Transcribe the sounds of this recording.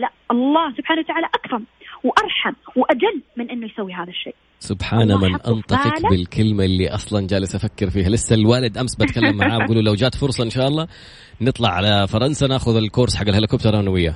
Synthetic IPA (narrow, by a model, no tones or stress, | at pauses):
laʔʔɑlˤːɑːhsʊbħaːnawat̪aʕaːlaʔakɾɑmwʔɑɾˤħamwʔad͡ʒalːmɪnʔɪnːʊjsawːiɦaːðaʃːḛːʔ | sʊbħaːnamɪnʔ̪ɑ̰nt̪ˤɑfɨlbɪlkʰɪlmalːiʔɑsˤlɑnd͡ʒaːlɪsʔafakːɪɾfiːhalɪsːalwaːlɪd̪ʔamsbakalːamːaʕaːbbɡuːlulawd͡ʒaːt̪fʊɾsˤɑʔɪnʃaːʔɑlˤːɑː | nɨt̪ˤlɑʕalafɑɾˤɑnsanaːxʊðɪlkʊɾsħaɡːalhalɪkoːbt̪oɾˤanawɪjːa